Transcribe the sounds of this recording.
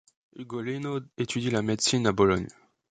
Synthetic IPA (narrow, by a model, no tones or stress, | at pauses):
yɡolenoet̪yd̪ilamed̪sinabɔlɔɲ